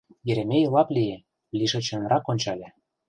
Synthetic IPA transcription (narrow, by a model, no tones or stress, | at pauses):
jĕɾemʲejlɑplʲije | lʲiʒɤ̆t͡ɕɤ̆nɾʔɑkonʲt͡ɕɑlʲĕ